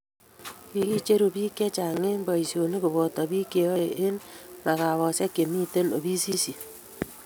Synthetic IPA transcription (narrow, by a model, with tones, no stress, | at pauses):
ki˨ki˦t͡ʃe˦ɾu˨bi˦ke˦t͡ʃa˨ŋe˦mba˨i˨sjo˨ne˦bo˨βɔ˨tɔ˨βi˦ke˨o˦e˨ʔe˦nna˨ka˨βɔ˨sɛ˦ke˨mi˦te˦no˨βi˦si˦si˨